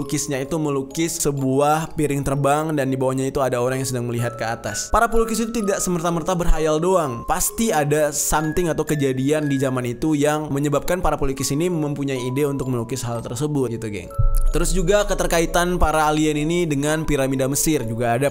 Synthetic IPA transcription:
ukɪsɲait̪uməlukɪsːəbuahpiɾɪŋt̪ərbaŋdandibawahɲait̪uadaoɾaŋjaŋsədaŋməliɦat̪̚kəat̪a̰spaɾapolukɪs̬it̪ut̪idaʔsəmərt̪amərt̪abərɦajaldoaŋpast̪iadasamt̪ɪŋat̪awkəd͡ʒadiandizamanit̪ujaŋməɲəbap̚kanpaɾapolikɪsiniməmpuɲaiːdeunt̪ʊk̚məlukɪsɦalt̪ərsəbʊt̪̚ɡit̪uɡɛ̰ŋt̪əɾʊsd͡ʒuɡakət̪ərkait̪anpaɾaːlianinidəŋanpiɾamidaməsɪrd͡ʒuɡaːda

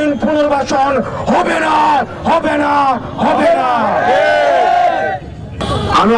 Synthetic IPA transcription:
inpunoɾbaʃonɦɔbena | ɦɔbena | ɦɔbena | ami

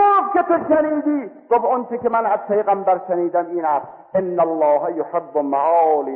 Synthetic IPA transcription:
xobkʲet̪ʰoʃaniːd̪iːtobont͡ʃʰekʲemanæzpʰejɣambæɾʃaniːd̪amiːnaːs | ɪnːalːɑːɦajoħebːomaʕːliː

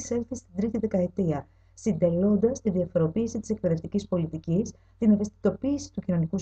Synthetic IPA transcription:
selθist̪id̪ɾit̪iðe̞kɐe̞t̪iɐ | sind̪e̞lo̞nd̪ɐst̪iðiɐfo̞ɾo̞piːsit̪i̥se̞k̚peðe̞ft̪icispo̞lit̪icis | t̪ine̞ve̞st̪i̥t̪o̞piːsi̥t̪ucino̞nikus

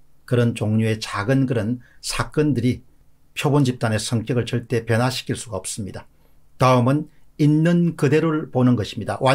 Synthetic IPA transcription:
kɯɾʌnt͡ɕoŋɲue̞t͡ɕaɡɯnkɯɾʌnsʰak͈ɯndɯɾi | pʰjobond͡ʑip̚t͈ane̞sʰʌŋk͈jʌɡɯɭt͡ɕʌɭt͈e̞pjʌnɦaɕʰi̥k͈ʰiɭs͈uɡaʌp̚s͈ɯmɲida | taɯmɯninːɯnkɯde̞ɾoɭponɯnɡʌɕʰi̥mɲida̰wʔa

